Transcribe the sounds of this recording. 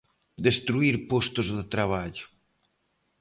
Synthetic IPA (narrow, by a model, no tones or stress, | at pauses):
d̪est̪ɾuiɾpost̪ʊzðɪt̪ɾaβaʎʊ